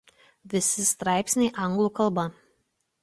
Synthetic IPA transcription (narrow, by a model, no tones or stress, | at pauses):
ʋʲɪsʲɪst̪ɾɑˑɪpʲsʲnʲɛɪʔɐŋɡlˠuːˑkɐlˠˑbɐ